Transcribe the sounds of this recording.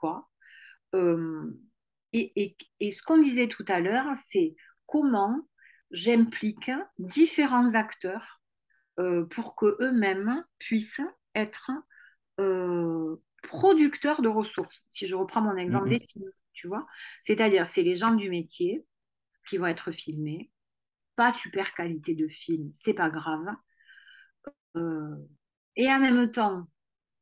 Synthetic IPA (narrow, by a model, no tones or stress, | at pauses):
kwa | øm | eeːsə̥kɔ̃d̪izɛt̪ʰut̪alœʁsɛ | kɔmɑ̃ | ʒɛ̃plikd̪ifeʁɑ̃zakt̪œʁ | øpʰuʁkəʔømɛmpʰɥis | ɛt̪χ | ø | pχɔd̪ykt̪œʁd̪əʁəsuʁssiʒəʁəpχɑ̃mɔ̃nɛɡzɑ̃pld̪efilm | t̪yvwasɛt̪ad̪iʁsɛleʒɑ̃d̪ymet̪je | kʲivɔ̃ɛt̪χəfilme | pasypɛʁkalit̪ed̪əfilmsɛpaɡʁav | ø | eɑ̃mɛmt̪ɑ̃